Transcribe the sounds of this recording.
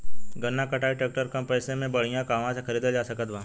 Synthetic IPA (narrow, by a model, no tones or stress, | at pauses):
ɡənːakəʈʰaːiʈeːk̚ʈəɾkə̃mpɛːsemẽbəɽ̤ijãkaːmãsexɐɾiːd̪ed͡ʒaːsəkət̪ʋãː